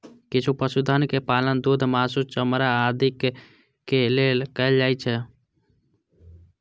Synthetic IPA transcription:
kit͡ʃʰupəsud̪ʱənkepalənd̪ud̪ʱmasust͡ʃəmɾaːd̪ʱikː | elelkəeld͡ʒajt͡ʃʰɛ

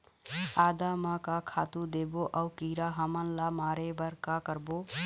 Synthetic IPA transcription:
ad̪amakakʰat̪ud̪eboʔəʊkiɾaɦəmənlamaːɾebəɾkakəɾbo

